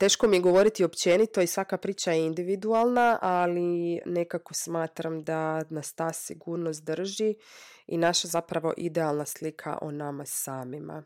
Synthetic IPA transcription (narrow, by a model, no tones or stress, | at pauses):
t̪e̞ːʃko̞mijeɡo̞ʋo̞ɾit̪io̞pt͡ɕe̞nit̪o̞isʋakapɾiːt͡ɕajeind̪iʋid̪uaːlˠnaʔaline̞kako̞smaːt̪ɾamd̪anast̪aːsiɡuːɾnost̪d̪r̩ʒi | ḭnaʃazapɾaʋo̞̰ʔid̪ealˠnaslikʰa̰ʔo̰namasaːmima̰